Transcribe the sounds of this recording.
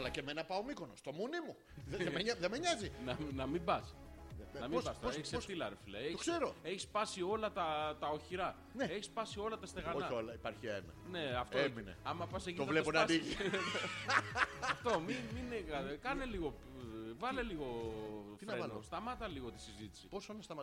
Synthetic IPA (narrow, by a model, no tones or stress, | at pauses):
ɐlɐcemenɐpɐomikonost̪o̞munimu | meðemeɲɐzinɐnɐmibɐs | nɐmibɐseçi̥seft̪ilɐɾefilɐeçoi̥seɾoe̞çispɐsio̞lɐt̪ɐt̪ɐo̞çiɾɐ | neeçispɐsio̞lɐt̪ɐst̪e̞ɣɐonɐolɐipaɾçiɐemene̞ɐft̪ominḛɐmɐpɐseʝit̪ovleponɐbi | ɐft̪omiminekɐkɐneliɣo̞ | vɐleliɣo̞ | enost̪ɐmɐt̪ɐliɣo̞t̪i̥sizit̪i̥siposonest̪ɐ